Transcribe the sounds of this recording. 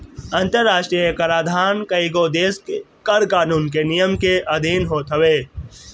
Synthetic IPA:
ɐ̃nt̪əɾːaːʃʈɾijəkɐɾaːd̪ʱaːnkɐiɡoːd̪eːskkɐɾkaːnuːnkenijəmkeʔɐd̪ʱiːnɦoːt̪ɦəʋeː

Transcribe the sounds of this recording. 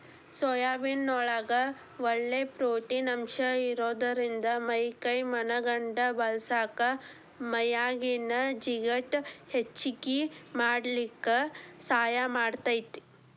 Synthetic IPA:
sɔjaːbinːɔɭaɡɐ | ʋɔɭːepɾoːʈiːnɐmʃɐiɾoːd̪ɐɾind̪ɐmɐjkɐjmɐnɐɡɐɳɖɐbɐlsaːkɐ | mɐjaːɡinɐd͡ʒiɡɐʈhet͡ʃːikimaːɽlikːesaːjamaːɽt̪aːjt̪ːi̥

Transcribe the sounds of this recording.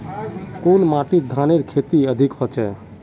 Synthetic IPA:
konmaʈid̪ʱaneɾkʰet̪iəd̪ʱikɦot͡ʃɛ

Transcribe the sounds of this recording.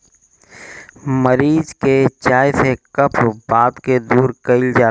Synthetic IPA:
məɾiːzket͡ʃaːjsekɐpʰbaːd̪ked̪uːɾkɐɪld͡ʒaː

